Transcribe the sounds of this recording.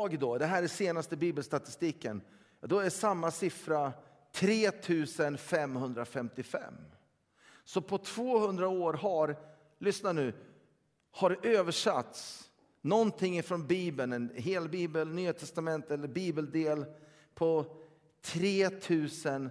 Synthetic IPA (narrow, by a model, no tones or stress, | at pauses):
ɡd̪ɔd̪ɛɦæːɾɛseːnast̪əbiːbəlst̪at̪ɪst̪iːkə̰n | d̪ɔæsamːasɪfɾa | t̪ʰɾeːt̪ʰʉ̟ːsənfɛmhɵnd̪ɾafɛmt̪ɪfɛ̰mː | sɔpʰɔt̪ʰv̥oːhɵnd̪ɾaoːɾɦaɾ | lʏsnanʉ̟ː | haɾʔøːvəʂa̰t̪s | nɔnt̪ʰɪŋːɪfɾɔnbiːbənɛnɦeːlbiːbəlnyːat̪ʰɛst̪amɛnt̪ɛlːəɾbiːbəld̪eːl | pʰɔ | t̪ʰɾeːt̪ʰʉ̟ːsən